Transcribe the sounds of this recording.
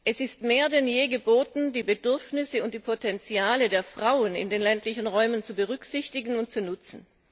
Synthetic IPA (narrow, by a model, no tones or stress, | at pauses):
ʔɛsɪstmeːɐdɛnjeːɡəboːtn̩diːbədʏɐfnɪsəʊnt̚d̥iːpʰotʰɛnt͡sjaːlədeːɐfʁ̥aʊənɪ̰ndeːnlɛntʰlɪçn̩ʁɔʏmənt͡subəʁ̞ʏkz̥ɪçtɪɡn̩ʊnt̚t͡sunʊt͡sn̩